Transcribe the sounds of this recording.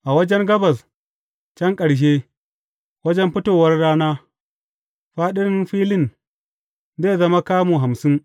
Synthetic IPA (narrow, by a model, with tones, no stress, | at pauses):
ʔa˨wɐ˦d͡ʒɛ˦ŋɡɐ˦bɐ˨s | t͡ʃɛ˦ŋkʼɐ˨ɽʃ̬eː˦ | wɐ˦d͡ʒɛ˦mɸɪ˦toː˨wɐ˦rɽaː˦naː˦ | ɸaː˦ɗɪ˦ɾɪ˦nɸiː˦lɪ˦˨n | zeː˦˨zɐ˦ma˦kaː˦muː˨ɦa˨msɪ˦n